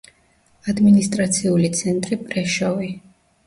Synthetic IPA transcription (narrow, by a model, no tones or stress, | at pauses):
ad̪minist̪ʼɾat̪sʰiulit̪sʰɛnt̪ʼɾipʼɾɛʃɔvi